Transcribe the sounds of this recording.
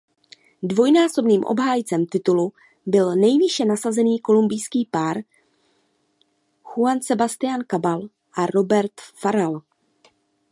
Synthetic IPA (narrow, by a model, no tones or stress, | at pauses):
dvo̞jnaːso̞bniːmʔo̰bɦaːjt͡sɛmt̪ɪt̪ulu | bɪlnɛjvɪʃɛnasazɛniːko̞lumbɪjskiːpaːɾ | xuansɛbast̪ɪjankabal | ʔaɾo̞bɛɾt̪faɾal